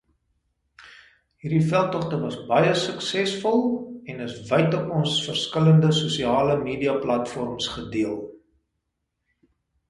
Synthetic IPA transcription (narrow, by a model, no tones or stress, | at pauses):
ɦiːrdifælˠtɔχtəvɐsbɐjəsəksɛsfɔlˠɛnəsvəjtəɔnsfərskələndəsusiɑːləmiːdiɐplɐtfɔrmsχədiəlˠ